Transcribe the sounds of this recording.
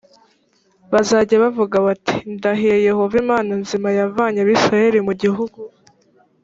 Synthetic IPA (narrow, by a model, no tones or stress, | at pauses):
βazaːɟaβavuɡaβati̥ndaɦijeje̞ho̞vimaːnanzimajavaːɲaβiːsɾaje̞ɾimuɟiɦuɡu